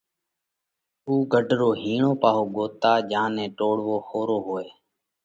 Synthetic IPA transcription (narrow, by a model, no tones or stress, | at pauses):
uːɡʱəɖʱɾoːɦiːɳoːpaːɦoːɠoːt̪aːʄãːnẽːʈoːɽʋoːxoːɾoːɦoːeː